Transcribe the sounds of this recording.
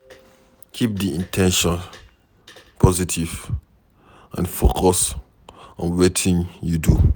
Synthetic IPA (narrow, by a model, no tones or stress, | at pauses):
kʰip̚diĩntʰɛ̃nʃɔ̃n | pʰɔzitʰiv | ʔãnfokʰɔs | ɔ̰̃nwetʰĩnjudu